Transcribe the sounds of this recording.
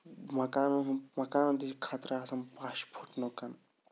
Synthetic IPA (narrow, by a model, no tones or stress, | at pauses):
mɐkaːnuɦmɐkaːnɐ̃nd̪ikʰaːt̪ɾaːsɐmpaːʃpʰuʈnokɐn